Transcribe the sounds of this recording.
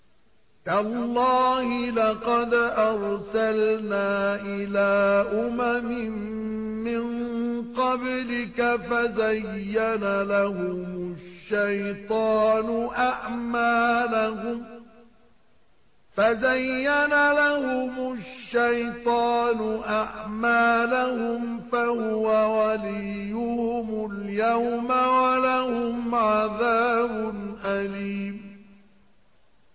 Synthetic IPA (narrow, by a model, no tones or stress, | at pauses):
kalˤːɑːhɪlɑqɑd̪ʔɑɾˤsalnaːʔɪlaːʔʊmamɪmː | ɪnqɑblɪkafazajːanalahʊmʊʃːajt̪ˤɑːnʊʔaʕmaːlahʊm | fazajːanalahʊmʊʃːajt̪ˤɑːnʊʔaʕmaːlahʊmfahʊwawalijːʊhmʊljawmawalahʊmʕaðaːbʊnʔaliːm